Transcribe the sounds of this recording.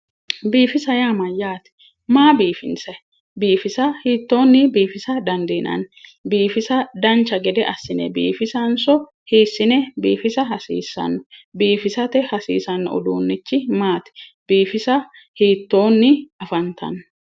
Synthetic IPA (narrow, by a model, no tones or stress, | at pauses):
biːfɪsɐjaːmɐjaːt̪ɛ̥ | maːbiːfɪ̰nsɐ | biːfɪsɐhiːt̪ːo̞ːnːɪbiːfɪsɐd̪ɐnd̪iːnʔɐ̰nbiːfɪsɐd̪ɐnt͡ʃːɐɡɛd̪ɛʔɐsːɪnɛ̰bḭːfɪsɐnsɔ | hiːsːɪnɛbḭːfɪsɐɦɐsḭːsːɐ̰nːɔbiːfɪsɐt̪ɛhɐsḭːsɐnːɔɔ̰d̪uːnːɪt͡ʃːɪmaːt̪ɛ̥b̥iːfɪsɐ | hiːt̪ːoːnːɪɐfɐnt̪ɐ̰nː